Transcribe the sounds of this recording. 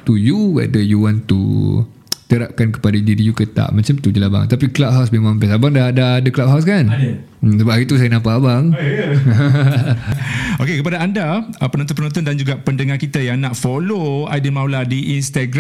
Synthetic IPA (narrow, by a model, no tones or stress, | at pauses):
t̪ujuwɛ̰dəjuwãnt̪ṵ | t̪əɾap̚kankə̥padaididijukət̪a̰ʔmə̃nt͡ʃamt̪ud͡ʒəlaba̰ŋt̪apiklab̚ɦawsmemãŋmpɛsabaŋdadaːdəklab̚ɦaws̬kansəbapait̪us̬ajənãmpaʔabaŋ | okekəp̬adaandaəpənɔnt̪ɔnpənɔ̃nt̪̬ɔndand͡ʒuɡaʔpəndəŋahkit̪əjaŋnaʔfoloajdəmawladiʔinst̪aɡɾ